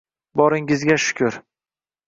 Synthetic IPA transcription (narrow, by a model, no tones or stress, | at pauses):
bɒɾɪŋɪzɡʲaʃʊ̥kʲʰʊɾ